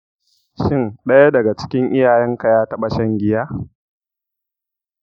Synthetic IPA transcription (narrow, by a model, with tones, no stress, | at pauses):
ʃɪ˦nɗɐ˦ja˦dɐ˨ɡa˨t͡ʃɪ̥˦kʲɪ˦ŋʔɪ˦jaː˨jɛ˦ŋka˨jaː˦tɐ˦ɓa˨ʃɐ˦ŋɡʲɪ˦jaː˦